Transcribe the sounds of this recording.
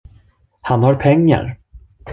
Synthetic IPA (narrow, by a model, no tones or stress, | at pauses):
hanhaɾpʰɛŋːa̰ɾ